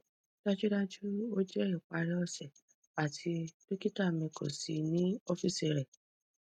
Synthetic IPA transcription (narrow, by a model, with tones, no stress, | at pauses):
d̥a˦d͡ʒu˦da˦d͡ʒu˦o˦d͡ʒɛ˦i˦˨k͡pa˧ɾɛ˦ɔ˦˨sɛ˨ | a˨tʰi˧do˦ki˦ta˦˨mɛ̃˧ko̰˨si˨nĩ˦o˦fi˦˨se˨ɾɛ˨